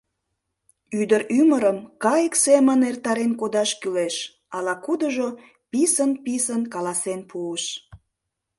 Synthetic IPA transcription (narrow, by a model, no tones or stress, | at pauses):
yd̪əɾyməɾəmkɑjəksemənert̪ɑɾenkod̪ɑʃkyleʃ | ɑlɑkud̪əʒo | pisənpisənkɑlɑsenpʰuəʃ